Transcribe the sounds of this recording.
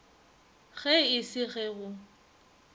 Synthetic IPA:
ɣɛɪsɪɣɛɣʊ

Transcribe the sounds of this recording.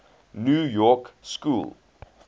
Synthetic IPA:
njuːjɔkskṵːlˠ

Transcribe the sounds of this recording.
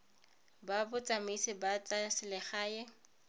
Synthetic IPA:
babʊt͡sʼamisɪbat͡sasɪlɛχaːjɛ

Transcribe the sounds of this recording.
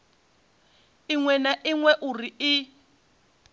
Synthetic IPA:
iŋwɛnaʔiŋwɛʔurii

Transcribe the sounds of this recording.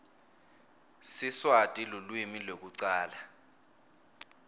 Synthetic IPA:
siswatʼilulwimilok̬uǀaːla

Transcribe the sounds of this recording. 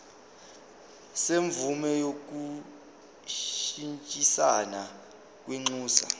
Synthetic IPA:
seɱvumɛjok̬u | ʃint͡ʃʼisana | k̬ʼweŋ͡ǀuːsa̰

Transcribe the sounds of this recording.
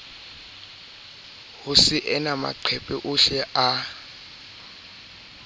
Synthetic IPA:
hʊsɪʔɛnama̰ǃʰɛpʼɛʔʊʃɛa

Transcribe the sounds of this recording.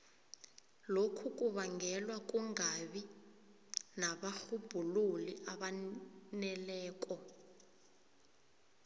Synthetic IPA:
lokʰuk̬ʼuβaŋɡɛlwak̬ʼuŋaɓi | naɓaxub̥ʱululiʔaɓanɛlɛːk̬ʼɔ

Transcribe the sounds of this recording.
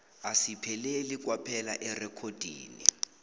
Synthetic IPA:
asipʰɛlelik̬ʼwapʰɛlaʔɛrɛkʰod̥ʱḭːnḭ

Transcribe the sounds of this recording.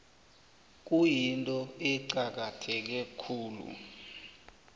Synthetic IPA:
k̬ujintʼɔɛǀak̬atʰɛk̬ɛkʰuːlṵ

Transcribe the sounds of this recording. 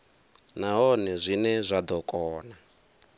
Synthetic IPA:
naɦɔnɛzʷinɛzʷad̪ɔkʼɔːna

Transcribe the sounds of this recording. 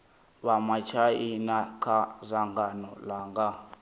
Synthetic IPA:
βamat͡ʃʰainakʰazʷaŋɡanɔlaŋɡa

